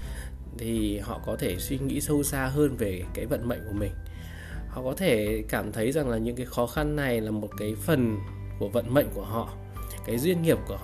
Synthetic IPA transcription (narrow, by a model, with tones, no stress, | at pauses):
t̪ʰi˨˩hɔ̰˧˨kɔ˨˦t̪ʰe˧˩swi˧ŋḭ˧˥sə˧wsaː˧ɦəː˧nve˨˩kaː˨˦jvə̰˧˨nmə̰˧˨jŋ̟ku˧˩əmï˨˩ŋ̟ | hɔ̰˧˨kɔ˨˦t̪ʰe˧˩kaː˧˩mt̪ʰə˨˦jza˨˩ŋlaː˨˩ɲɨ̰˧˥ŋkaː˨˦jxɔ˨˦xa˧nːa˨˩jlaː˨˩mo˨˩t̚kaː˨˦jfə˨˩n | ku˧˩əvə̰˧˨nmə̰˧˨jŋ̟ku˧˩əɦɔ̰˧˨ | kaː˨˦jzwi˧ənŋi˨˩əp̚ku˧˩ə